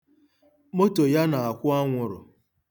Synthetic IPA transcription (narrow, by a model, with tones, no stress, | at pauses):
mo˦to˨ja˦na˨a˨kʷʊ˦a˦ŋʷʊ˨ɾʊ̰˨